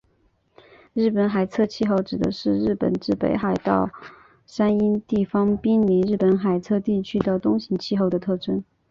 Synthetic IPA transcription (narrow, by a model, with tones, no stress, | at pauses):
ɻɻ̩˥˩pə˧˥nxa˨˩ɪt͡sʰɤ˥˧t͡ɕʰi˥˧xo˥˩ʊʈ͡ʂɻ̩˨˩d̪ə˦ʂɻ̩˥˧ɻɻ̩˥˩pə̰˨˩nʈ͡ʂɻ̩˥˩pḛ˧˥ɪxa˨˩ɪt̪ɑ˥˧ʊ | ʂa˥ni˥nt̪i˥˩fɑ˥ŋpi˥ŋli˧˥ɻɻ̩˥˩pə˧˥nxa˨˩ɪt͡sʰɤ˥˧t̪i˥˩t͡ɕʰy˥d̪ə˧t̪ʊ˥ŋɕi˧˥ŋt͡ɕʰi˥˧xo˥˩ʊd̪ə˩t̪ʰɤ˥˩ʈ͡ʂʰə˥n